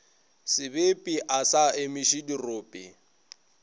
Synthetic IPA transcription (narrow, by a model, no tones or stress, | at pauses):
sɪbepʼiʔasaemiʃidiroːpʼḭ